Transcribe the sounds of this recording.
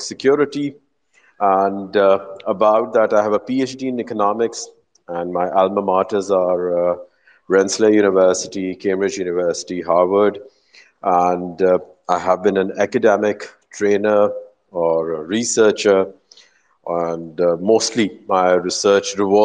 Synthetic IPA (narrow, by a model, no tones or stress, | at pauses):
sɪkʰjɔːɾɪʈi | æ̃nɖəbaʊʈ̚d̪æʈaɪɦæʋəpiet͡ʃɖiːɪ̃nɪkənɔmɪks | æ̃nɖmaɪʔælməmaːʈəzaːɾ | ɹɛ̃nsləjuːnɪʋəːsɪ̥ʈikẽːmbɾɪd͡ʒjuːnɪʋəɾsɪ̥ʈiɦaːɾʋəɾɖ | ʔæ̃nɖ | aɪɦæʋbĩnæ̃nækəɖɛmɪkʈʰɾẽːnə | ɔːɾɾisəːt͡ʃə | æ̃nɖmoːsʈʰlimaɪɾɪsəːt͡ʃɾɪʋɔ